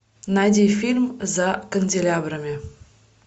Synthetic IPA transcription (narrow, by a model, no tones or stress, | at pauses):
nadʲijfʲilʲmzakə̆nʲdʲelʲabɾəmʲe